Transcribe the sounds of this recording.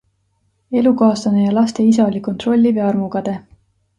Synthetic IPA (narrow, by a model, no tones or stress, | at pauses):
e̞lukɑːst̪ɑnejɑlɑst̪e̞is̬ɑolʲiko̞nt̪ro̞lʲːiveɑrmukɑd̪̥e̞